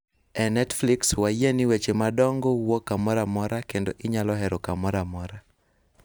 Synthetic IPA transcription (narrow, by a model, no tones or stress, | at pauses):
ɛnɛtflikswajenɪwet͡ʃemadɔŋɡɔwokːamɔɾamɔɾakendoʔɪɲalɔɦɛɾɔkamɔɾamɔɾa